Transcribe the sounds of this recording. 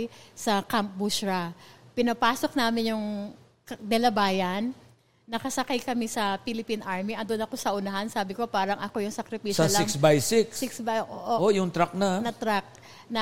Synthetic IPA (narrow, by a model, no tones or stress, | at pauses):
jsɐkamp̚buʃɹɐpɪnɐpaːso̞k̚naːmɪnjʊŋ | d̪ɛlɐbaːjɐnː | ɐkɐsɐkajkɐmɪsɐpilɪpinʔaɹmiʔɐnd̪onɐko̞sɐʔʊnɐɦansaːbɪko̞paːɾɐŋʔɐko̞jʊŋsɐkɾɪpiʃɐslɐɪŋksbajsɪkssɪksbaʔoːʔoʔojʊŋt̪ɾak̚nɐnɐt̪ɾak̚ | nɐ